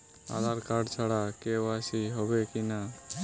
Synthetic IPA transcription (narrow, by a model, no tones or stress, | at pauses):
a̰laɾkaɖt͡ʃʰaɽakeasiɦɔbekina